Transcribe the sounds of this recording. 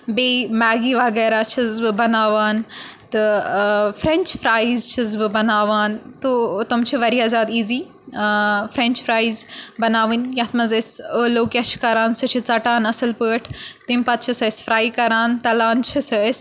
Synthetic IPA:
beːmaːɡiːʋɐɡɛːɾat͡ʃʰizbɨbɐnaːʋaːnt̪ɨ | fɾẽnt͡ʃfɾaːizt͡ʃʰizbɨbɐnaːʋaːnt̪oːt̪ɐmt͡ʃʰiʋɐɾiazaːd̪iːziː | fɾẽnt͡ʃfɾaːizbɐnaːʋɨnjɐt̪ʰmɐzɐsəːloːkʲɐʃʰkɐɾaːnsɨt͡ʃʰit͡sɐʈaːnɐsɨlpəːʈʰt̪impɐt̪̚t͡ʃʰisɐːsfɾaːikɐɾaːnt̪ɐlaːnt͡ʃʰisɐs

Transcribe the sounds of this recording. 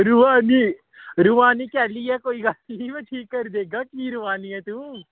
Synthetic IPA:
ɾuʋaːni | ɾuʋaːnikɛːliɦɛkoːiɡaːliʋeːʈʰiːkːɐɾd̪eːɡaːkiːɾʊʋaːniɦɛt̪uː

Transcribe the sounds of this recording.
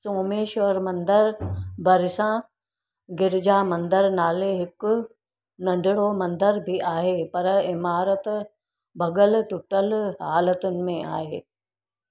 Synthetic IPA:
soːmeːʃoɾmɐ̃nd̪əɾbʱɐɾɪsã | ɡɪɾɪd͡ʑaːmɐ̃nd̪əɾnaːleɦɪk | nɐ̃ɳɖɪɽomɐ̃nd̪əɾbʱiʔaːɦeːpɐɾɪmaːɾət̪ | bʱɐɡəlʈʊʈəlɦaːlət̪ʊnɪ̆mẽʔa̰ːɦeː

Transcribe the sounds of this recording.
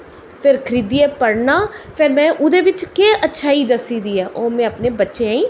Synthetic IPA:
pʰɪɾkʰəɾiːd̪iːɛːpəɽnaːpʰɪɾmɛ̃ːʔʊd̪eːʋɪt͡ʃkeːʔətːʃʰaːiːd̪əsiːd̪iːɛːʔoːmɛ̃ːəpneːbətːʃẽːaːĩː

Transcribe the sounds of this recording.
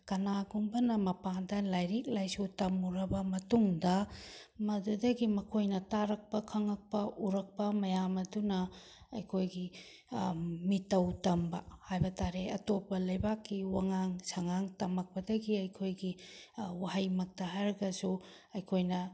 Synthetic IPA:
kɐnaɡumbɐnɐmɐpaŋdɐlajɾik̚lajsutɐmuɾɐbɐmɐtuŋdɐmɐdudɐɡimɐkʰojnɐtaɾɐk̚pɐkʰɐŋɐk̚pɐʔuɾɐk̚pɐmɐjamɐdunɐ | ɐjkʰojɡi | mitːɐwtɐmbɐ̰hajbɐtʰaɾeɐtopɐlɐjbakːiwaŋaŋsɐŋaŋtɐmɐk̚pɐdɐɡiɐjkʰojɡiwaɦɐjmɐk̚tɐɦajɾɐɡɐsu | ɐjkʰojnɐ

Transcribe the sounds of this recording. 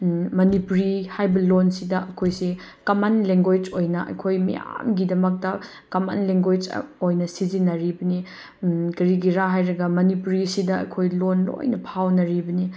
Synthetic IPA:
mɐnipuɾihajbɐlonsidɐʔɐkʰojsi | kɐmanleŋɡojt͡ʃojnɐʔɐ̰kʰojmḭja̰mɡidɐmɐk̚tɐ | kɐma̰nleŋɡojt͡ʃojnɐsizinɐɾibɐni | kɐɾiɡiɾaɦajɾɐɡɐmɐnipuɾisidɐɐ̰kʰojlonlo̰jnɐpʰawnɐɾibɐni

